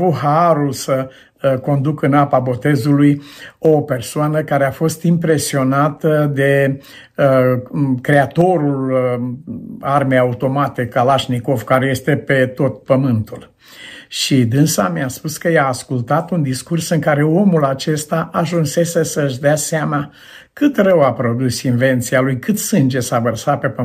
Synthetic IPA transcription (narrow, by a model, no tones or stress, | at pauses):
avuɦaɾulsə | ko̞nd̪ukɨnapabo̞t̪e̞zulujope̞rsoanəkaɾe̞afo̞st̪impɾe̞sio̞nat̪əd̪e̞ | kɾe̞at̪o̞ɾul | armejaut̪o̞mat̪ekalaʃniko̞vkaɾe̞je̞st̪e̞pe̞t̪o̞t̪̚pəmɨnt̪ul | ʃid̪ɨnsamiaspuskəjaːskult̪at̪und̪iskursɨŋkaɾe̞o̞mulat͡ʃe̞st̪aʔaʒunse̞sesəʃd̪easeama | kɨt̪rəwapɾo̞d̪usinve̞nt̪sialujkɨt̪sɨnd͡ʒe̞savərsape̞pə